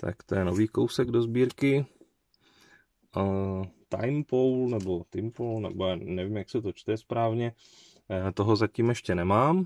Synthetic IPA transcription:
t̪ʰa̰kt̪ojɛnoviːkowsɛɡdo̞zbiːɾkɪ | t̪a̰jmpowlnɛbo̞t̪ɪmpolnɛ̰bojaːnɛvimjaksɛt̪ot͡ʃt̪ɛspɾaːvɲɛ | t̪o̞ɦozaciːmɛʃcɛnɛmaːm

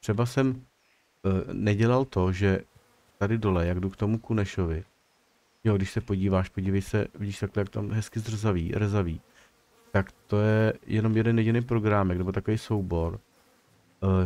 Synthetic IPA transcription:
t̪r̝̥ɛbasɛm | nɛɟɛlalt̪o̞ʒɛ | t̪adɪdo̞lɛjaɡdukt̪o̞mukunɛʃo̞vɪ | joɡdɪʃsɛpo̞ɟiːvaːʃpo̞ɟiːvɛjsɛvɪɟiːʃt̪aklɛjak̚t̪amɦɛskɪzr̩zavḭːrzaviː | t̪akt̪o̞jɛjʔɛno̞mjɛdɛnjɛɟɪnejpɾo̞ɡɾaːmɛknɛbo̞t̪akovejso̞wbo̞ɾ

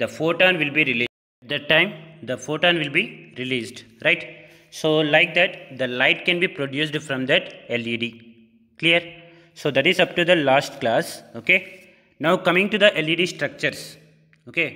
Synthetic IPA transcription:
d̪əfoːʈãːnʋɪlbiːɾiliː | ɛʈ̚d̪æʈːãɪ̃md̪əfoːʈãːnʋɪlbiːɾiliːsɖ | ɾaɪʈ | soːlaɪk̚d̪æʈd̪əlaɪʈkɛ̃nbiːpɾoɖjuːs̬ɖfɾɔ̃md̪æʈeliɖiː | kliəɾ | soːd̪æʈizʌp̚ʈud̪əlaːsʈklaːsoːke | naʊkʌ̃mɪ̃ŋʈud̪əʔeliːɖiːsʈɾʌk̚t͡ʃəɾs | oːke

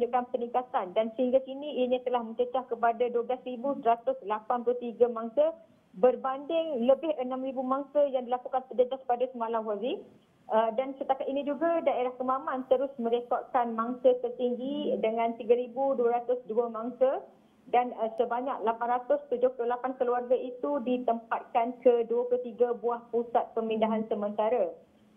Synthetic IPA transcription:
uɲd͡ʒuʔkanpərnikat̪andansəhiŋɡakinĩːɲit̪əlahmə̃ɲt͡ʃət͡ʃahkəpadaduəblasɾibusəɾat̪ʊslapanplut̪iɡamaŋsa | bərbandɪŋləbɪhənãmɾibumaŋsəjaŋdilakukant̪əd͡ʒəd͡ʒaspadasəmalamwazi | ədansət̪akat̪inĩd͡ʒuɡadaeɾahkəmãmãnt̪əɾʊsmə̃ɾekɔt̪̚kanmaŋsət̪ərt̪iŋɡidəŋãnt̪iɡaɾibuduaɾat̪ʊsduəmãŋsə | danəsəbaɲak̚lapanɾat̪ʊst̪ud͡ʒʊhplulapankəluarɡait̪udit̪əmpat̪̚kankəduəplut̪iɡabuahpusat̪̚pəmindaɦansəmə̃nt̪aɾa

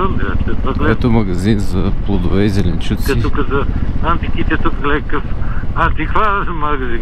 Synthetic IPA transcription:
ənd̪a̰t͡ʃɛɐɡlɛɛt̪omɐɡɐzinzɐplˠod̪ʊvɛizɛlɛnt͡ʃut̪sɛit̪ukəzɐant̪ikit̪ɛt̪ukɡlɛkəfɐnt̪iklamɐɡɐzin

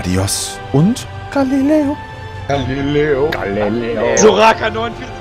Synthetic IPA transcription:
dḭɔs | ʊnt | ɡ̥alileo | alileoalizoʁakanɔnfi

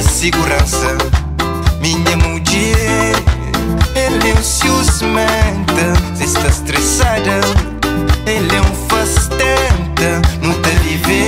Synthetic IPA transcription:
siɡuɾɐ̃sɐ | miɲɐmud͡ʒi | elɛũsjuzmɛnt̪ɐsɪst̪ast̪ɾesad̪ɐ | elɛũfɐst̪ɛnt̪ɐnʊt̪elive

